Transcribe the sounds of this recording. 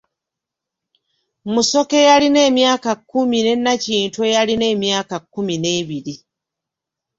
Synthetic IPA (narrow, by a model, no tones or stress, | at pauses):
muso̞ke̞jaline̞ːmjaːkakːumine̞nːaciːntwejaline̞ːmjaːkakːumine̞ːβiɾi